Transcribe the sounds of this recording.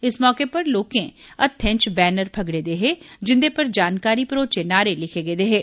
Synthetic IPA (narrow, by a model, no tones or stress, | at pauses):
ɪsmɔːkepɐɾloːkẽɐt̪ʰːɛ̃t͡ʃbɛːnəɾbʰʱɐɡɽed̪eːɦed͡ʒɪ̃nd̪epɐɾd͡ʒaːnkaːɾipɾoːt͡ʃenaːɾelɪkʰeɡeːd̪eːɦeː